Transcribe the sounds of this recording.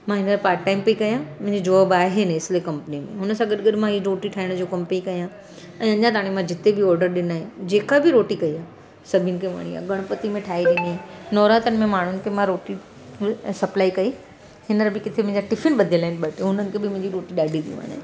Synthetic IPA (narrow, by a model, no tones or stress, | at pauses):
mãɦɪnəɾpaːɾʈːaːɪimpɐikɐjãmʊ̃ɦɪ̃ɲd͡ʑid͡ʑoəbaːɦeneɪslekɐ̃mpnimḛ̃ɦʊnəsãɡɐɗɡɐɗmãɦiɾoːʈiʈʰaːɪɽ̃d͡ʑoːkɐmpeikɐjã | ɛ̃ːɐɲat̪̬aaːɽ̃imãd͡ʑɪt̪ebɪɔːɾɖəɾɗɪnaːɦed͡ʑeːkabɪɾoːʈikɐiaː | sɐbʱiənɪ̆kʰeʋa̰ɽ̃ia̰ːɡʱɐɽ̃pɐt̪imẽʈʰaːiɾĩienɔːɾaːt̪ənɪ̆mẽmaːɳ̤ʊnɪ̆kʰemãɾoːʈi | sɐplaːikɐi | hɪnəɾbɪkɪt̪ʰemẽɦɲd͡ʑaʈɪfɪnɓɐd̪ʱiəlaːɦɪ̃nɓɐʈʊnənɪ̆kʰebʱɪmʊ̃ɦɪ̃ɲd͡ʑiɾoːʈiɗaːɖʱĩt̪ʰijṵ̃ɦa̰ːnḛ